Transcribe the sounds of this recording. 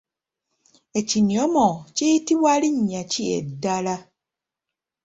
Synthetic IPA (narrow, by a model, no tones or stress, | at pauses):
eciniomocitiβwaliɲːaciḛdːala